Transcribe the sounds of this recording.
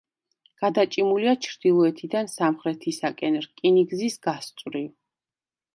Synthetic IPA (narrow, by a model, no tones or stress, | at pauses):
ɡ̥ad̪at͡ʃʼimuliat͡ʃʰɾd̪̥ilˠɔɛt̪ʰid̪ansamχɾɛt̪ʰisakʼɛnɾkʼiniɡzisɡ̥ast̪sʼwɾiv